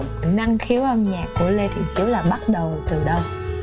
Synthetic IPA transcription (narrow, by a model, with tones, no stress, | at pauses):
na˧ŋxi˨˦əwʔə˧mɲaː˨˩kːu˧˩əle˧t̪ʰḭ˨˩˨t͡ɕi˨˦wlaː˨˩ɓa˦˥t̚ɗə˨˩wt̪ɨ˨˩ɗə˧w